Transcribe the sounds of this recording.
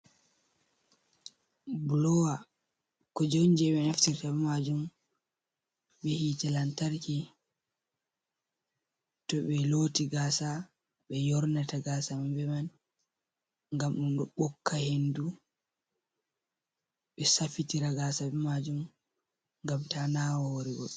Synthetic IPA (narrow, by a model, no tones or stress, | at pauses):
blɔwa | kɔd͡ʒond͡ʒɛɓɛnaftiɾtaɓɛmad͡ʒum | ɓɛhitalantaɾki | tɔɓɛloːtiɡaːsa | ɓɛjɔɾnataɡasamambɛman | ŋɡamɗunɗɔɓɔkːahendu | ɓɛsafitiɾaɡaːsaɓɛmad͡ʒum | ŋɡamtanawɔhoɾiɡɔ